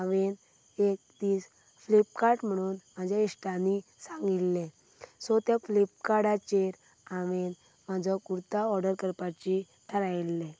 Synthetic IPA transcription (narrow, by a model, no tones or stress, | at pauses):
aʋen | ek̚d̪iːs | flip̚kaɾʈm̤əɽ̃uːnm̤ad͡ʑʱjaisʈanisãŋɡilːẽ | sɔt̪jaflip̚kaɽat͡ɕeɾ | aʋen | mad͡ʑʱɔkuɾt̪aɔɾɖəɾkəɾpat͡ɕi | t̪ʰəɾajlːẽ